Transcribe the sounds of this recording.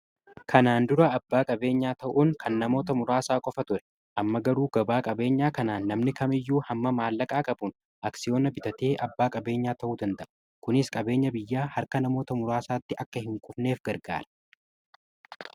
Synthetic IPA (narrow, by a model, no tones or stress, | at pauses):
kʰɐnaːnd̪ʊɾɐɐbːaːkʼɐbe̞ːɲːaːt̪ɐʔuːŋkʰɐnːɐmo̞ːt̪ɐmʊɾaːsaːkʼɔfɐt̪ʊɾɛ̥ | ʔɐmːɐɡɐɾuːɡɐbaːkʼɐbe̞ːɲːaːkɐnaːnːɐmnɪkɐmɪjːuːhɐmːɐmaːlːɐkʼaːkʼɐbʊn | ʔɐksɪjo̞ːnɐbɪt̪ɐt̪e̞ːʔɐbːaːkʼɐbe̞ːɲːaːt̪ɐʔuːd̪ɐnt̪ɐʔʊ̥ | kʊnɪskʼɐbe̞ːɲːɐbɪjːaːhɐɾkɐnɐmo̞ːt̪ɐmʊɾaːsaːt̪ːɪʔɐkːɐhɪŋkʼʊfne̞ːfɡɐɾɡa̰ːɾɐ̥